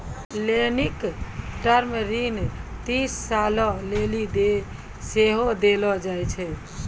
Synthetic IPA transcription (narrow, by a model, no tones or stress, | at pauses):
lenikʈəɾmeɾint̪isːalɔlelid̪e | seɦod̪elɔd͡ʒajt͡ʃʰɛ